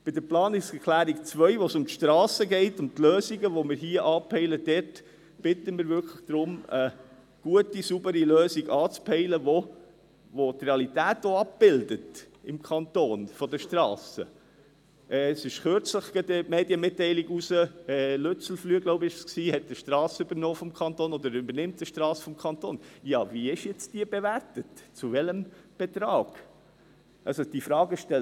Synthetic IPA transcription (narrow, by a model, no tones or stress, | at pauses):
b̥ɪdəɾplɑːnɪsɛklæːɾikt͡sʋœʏʋosʊmt̪ʃtɾɑːsəɡɛɪtʊmt̪løːziɡəʋomɪɾɦiəʔɑːpʰɛɪləd̥ɛt | b̥ɪtəmɪɾvʏkʰləχd̥̪ɾʊmə | ɡ̥uətisubəɾiløːsiɡɑːt͡spʰɛɪləʋo | ʋotreɑlitæːtoɑp̚b̥ɪldət | ɪmkʰɑnt̪oːnfɔd̪əʃtrɑːsə̰ | ʔɛːsɪʃχøɾt͡sləχɡ̥ɛd̪əmeːdjəmɪtːɛɪliɡusəɛːløt͡sl̩flyəɡloʊbəɪʃsksiːhɛt̚dəʃtɾɑːsəʉbənoːfɔmkʰɑnt̪oːnɔd̪əɾʉbəɾnɪmt̚dəʃtɾɑːsə̥fɔmkʰɑnt̪oːnjɑviɪʃjɛt͡sd̥iːb̥evæɾtətt͡suvɛləmb̥ɛt̪ɾɑːɡ̥ | ʔɑlsod̥ifɾɑːɡəʃtɛl